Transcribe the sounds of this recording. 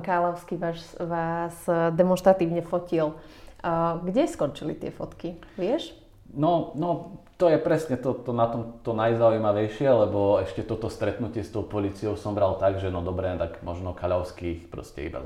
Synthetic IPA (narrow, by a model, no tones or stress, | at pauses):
kaːlaʊskiʋaːʃʋaːzd̪ɛmɔnʃt̪ɾat̪iːʊɲɛfɔcil | ɡɟɛskɔnt͡ʃilit̪ɪɛfɔt̪kiʋɪɛʃ | nɔnɔt̪ɔjɛpɾɛsɲɛt̪ɔt̪ɔnat̪ɔmt̪ɔnajzauijmaʋɛjʃɪɛlɛbɔɛʃcɛt̪ɔt̪ɔst̪ɾɛt̪nucɪɛst̪ɔʊpɔliːt͡sijɔʊsɔmbɾalt̪aɡʒɛnɔd̪ɔbɾɛːt̪akmɔʒnɔkaʎaʊskixpɾɔ̰scɛ̰ḭba̰